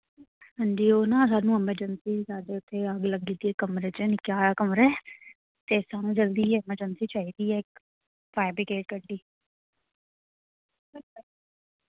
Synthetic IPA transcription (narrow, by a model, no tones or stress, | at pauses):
hə̃ɲd͡ʒiːoːnãːs̬aːnũːɛməɾd͡ʒənsiːsaːɖeːʊt̪ʰːeːəɡləɡɡid̪iːɛːkəmɾeːt͡ʃenɪkjaːkəmɾɛː | t̪eːsaːnũːd͡ʒəld̪iːɪməɾd͡ʒənsiːt͡ʃaːɦiːd̪iːɛːɪk | pʰaːɪbɾɪkeːʈ̚kəɾɖ̪iː | bɪlkʊl